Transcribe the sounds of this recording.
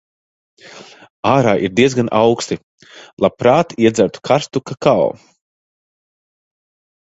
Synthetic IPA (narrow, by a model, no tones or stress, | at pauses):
aːɾaːʔiɾd̪iɛzɡanʔawkst̪i | lˠapɾaːt̪iɛd̪zaɾt̪u̥kʰaɾst̪ukakaw